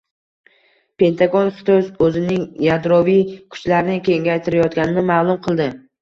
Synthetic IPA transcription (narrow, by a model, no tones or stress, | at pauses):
pʰe̞nt̪ʰaɡonχɪ̥t̪ʰɒzɵzɪnɪŋjad̪ɾɒvijkʰʊ̥t͡ʃlaɾɪnɪkʲʰe̞ŋɡʲajt̪ʰɪɾajɒt̪̚ɡʲanɪnɪmaːlˠʊmqʰɨlˠd̪ɪ